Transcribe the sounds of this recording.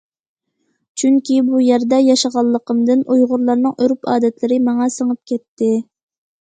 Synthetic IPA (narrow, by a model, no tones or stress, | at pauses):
t͡ʃʰyŋkʲibujɛɾd̪ɛjɑʃɑʁɑlˠːəqʰəmd̪ɨnʔujʁʊɾlˠɑɾnɨŋʔøɾypɑːd̪ɛt̪lɪɾɪmɑŋɑsəŋəp̚kʲɛt̪ʰːɪ